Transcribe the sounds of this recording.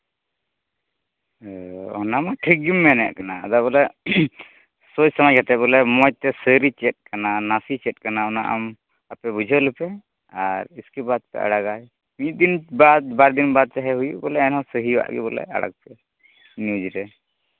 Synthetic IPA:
ɔ̰namaʈʰiɡimːɛnɛ̰ʔkana̰ːd̪abɔlɛ | sod͡ʒsəmajkʰat̪ɛbɔlɛmɔjt̪ɛsəɾit͡ʃɛt̪̚ˀkananasit͡ʃɛt̪̚kanaɔnaʔa̰m | apɛbud͡ʒʱəlɛpɛ | aɾiskibad̪̚pɛ̰ʔa̰ɽaɡaj | mit̪̚ˀd̪inbad̪̚baɾd̪inbad̪̚t͡ʃaɦɛɦujṵʔbɔlɛɛnɦɔ̃səɦiwa̰ʔɡɛ̰bɔlɛ̰a̰ɽa̰k̚pɛ | njud͡ʒɾɛ

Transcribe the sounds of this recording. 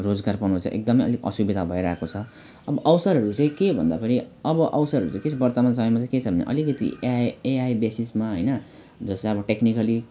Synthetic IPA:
rod͡zɡarpʌnuot͡sʰʌ̰ʔḛk̚d̪ʌmʌjʌ̰liʌ̰subed̪ʱabʱʌiɾaɦekot͡sʰʌ | ʌbʌʔʌwsʌɾɦʌɾut͡saĩkebʱʌ̰nd̪apʌniʌbʌʔʌwsʌɾɦʌɾut͡sãĩket͡sʰbʌrt̪ʌmans̬ʌmʌjmat͡sãĩket͡sʰʌbʱʌnḛʔʌ̰likʌt̪ḭjeajbesismaɦʌjnʌ | d͡zʌsʌbʌʈeknikʌli

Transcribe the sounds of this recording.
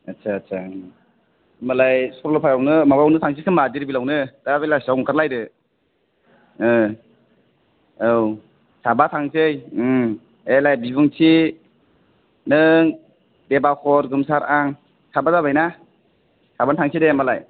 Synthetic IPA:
atsʰaːsʰa | malajspɾɔlɔpʰajawnɯmabawnɯtʰaŋs̬ʰikʰɯmadiɾbilawnɯd̥abejlasawŋkʰaɾlajdɯ | ɯ | ɯw | sabatʰaŋsɯj | elajbibuŋsʰi | nɯŋ | debakʰɔɾɡɯmsaɾaŋ | sabazaβajna | sabantʰaŋsʰidemalaj

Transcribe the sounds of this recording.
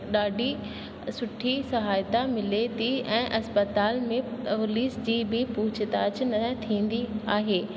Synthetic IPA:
ɗaːɖʱi | sʊʈʰisɐɦaːjt̪amɪlet̪iɛ̃ːʔɐspət̪aːlmẽʊliːsd͡ʑiːbɪpuːt͡ɕʰɪt̪aːt͡ɕnɐt̪ʰĩːn̆d̪iaːɦeː

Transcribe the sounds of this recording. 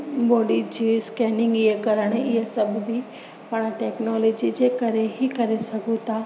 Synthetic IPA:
boːɖid͡ʒiskɛːnɪ̃ŋɡjekɐɾəɽ̃ejesɐbbʱi | pɐɽ̃aʈeːknɔːlɔːd͡ʒid͡ʒekɐɾeɦikɐɾesɐkut̪aː

